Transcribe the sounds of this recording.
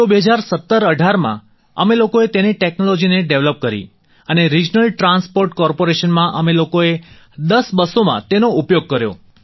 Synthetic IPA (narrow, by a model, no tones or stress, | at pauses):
t̪obeɦəd͡ʒaɾsət̪ːəɾəɖʱaɾmã̰ | ə̰melokoet̪eneʈeknolɔd͡ʒineɖeʋləp̚kəɾḭ | əneɾid͡ʒnəlʈɾãnspoɾʈkɔɾpoɾeʃənmãʔəmelokoe | d̪əsbəsomã̰t̪enoupjoɡ̚kəɾjo̰